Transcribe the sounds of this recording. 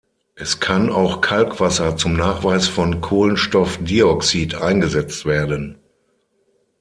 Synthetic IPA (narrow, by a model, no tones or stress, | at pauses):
ʔɛskʰanaʊxkʰalkv̥asɐt͡sʊmnaːχv̥aɪsfɔnkʰoːlənʃtɔfdiːɔksiːtʔaɪnɡəzɛt͡stv̥eːɐdən